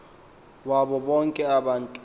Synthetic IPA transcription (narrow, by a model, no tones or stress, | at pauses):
wabɔbɔŋkʼɛabantʼ